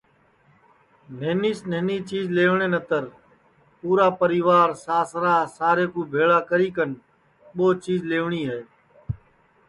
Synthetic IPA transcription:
n̤eːniːsneːniːt͡ʃiːzleːʋɳeːnət̪əɾ | puːɾaːpəɾiːʋaːɾsaːsɾaːsaːɾeːkũːbʱeːɭaːkəɾiːkən | ɓoːt͡ʃiːzleːʋɳiːɦeː

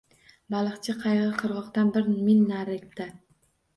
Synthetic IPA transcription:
balˠɨχt͡ʃʰɪqʰɑjʁɨqʰɨɾʁɒqt̪anbɪɾmɪnːaɾekt̪a

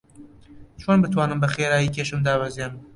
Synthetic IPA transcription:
t͡ʃʰoːnbɨt̪ʰwaːnɨmbɐxeːɾaːjikʰʲeːʃɨmd̪aːbɛzem

